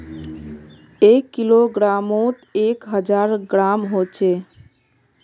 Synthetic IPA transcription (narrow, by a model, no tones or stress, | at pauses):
ekːiloɡɾamõt̪ekɦəd͡ʒaɾɡɾamɦot͡ʃʰe